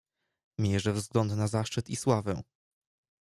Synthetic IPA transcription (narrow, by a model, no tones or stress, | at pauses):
mʲeɛʐɛvzɡlɔnd̪nazaʂt͡ʂɘt̪iswavɛ̃